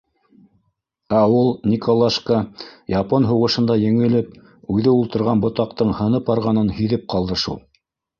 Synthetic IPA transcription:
æulˠnʲikolˠaʃkɑjɑponɦuwʁɤ̆ʃɤ̆nd̪ɑjɘ̆ŋɘ̆lɘp | ʉðɘulˠt̪ɤ̆ɾʁɑnbŏt̪ɑq̚t̪ɤɴhɤ̆nɤpɑɾʁɑnɤnhiðɘp̚qʰɑlˠd̪ɤʃṵlˠ

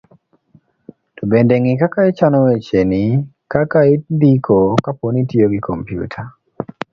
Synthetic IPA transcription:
tubendeŋikakait͡ʃanɔwet͡ʃeni | kakaindikʰokaponitioɡikʰompjṵtʰa

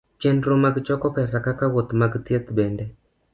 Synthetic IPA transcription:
t͡ʃenɾomaɡt͡ʃɔkɔkɛs̬akakawot̪maɡt̪iet̪bɛndɛ

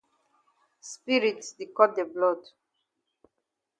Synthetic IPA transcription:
spiɹitsdikɔt̚d̪eblɔd

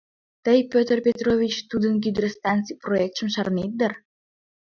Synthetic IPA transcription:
t̪əjpʲøt̪ərpʲet̪rovʲit͡ɕt̪ud̪ənk̬yd̪ɾəst̪ɑnt̪t͡sijproek̚t̪ʃə̆mʃɑrnet̪̚d̪ər

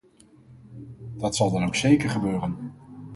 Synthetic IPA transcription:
d̥ɑtsɑlˠdɑnowksejkəɹχəbøːrən

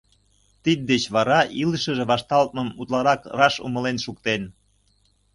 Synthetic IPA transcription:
t̪id̪̚d̪et͡ɕβɑɾɑʔiləʃəʒĕβɑʃt̪ɑlt̪̚məmut̪lɑɾɑkrɑʃṵmə̆lenʃukt̪en

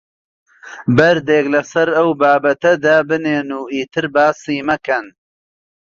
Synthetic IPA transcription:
bɐɾd̪eːklɐsɐɾɐwbaːbɐt̪ɐd̪aːbɨneːnuːʔiːt̪ɨɾbaːsiːmɐkɐn

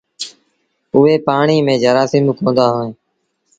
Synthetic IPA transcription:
ʊɦeːpaːɳiːmẽːd͡ʒəɾaːsɪmkõːnd̪aːɦoːẽː

